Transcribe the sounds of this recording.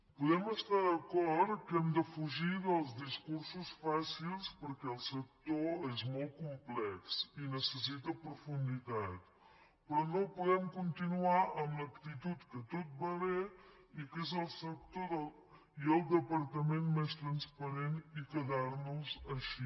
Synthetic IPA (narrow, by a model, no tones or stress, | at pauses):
puðɛməst̪aðəkɔɾt̪kɛmd̪əfuʒiðəlˠzðiskuɾsusfasilˠspəɾkɛəlˠsək̚t̪oezmolˠt̪̚kumplɛksinəsəsit̪əpɾufund̪it̪at̪̚ | pɾɔnopuðɛmkunt̪inuaʔəmləkt̪it̪ut̪kət̪ot̪̚bəle | ikezəlˠsək̚t̪oðə | iəlˠd̪əpəɾt̪əmenmest̪ɾənspəɾenikəðaɾnuzəʃi